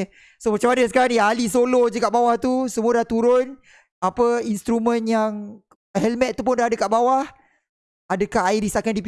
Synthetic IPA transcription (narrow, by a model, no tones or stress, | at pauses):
somat͡ʃamanəsə̥kaɾaŋnialisolod͡ʒəkaʔbawaht̪usəmulaht̪uɾʊn | apəinst̪ɾumə̃njaŋ | hɛlmɛt̪̚t̪ːupʊndaɦadəkaʔbawah | adəkaɦaidisakandip